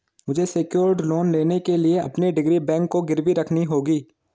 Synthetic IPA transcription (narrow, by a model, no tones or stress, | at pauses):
mʊd͡ʒʱeseːkjoːɾɖloːnleːnekelieɐ̰pniɖɪɡɾibɛ̃ːŋkːoɡɪɾʋiɾɐkʰniɦoːɡiː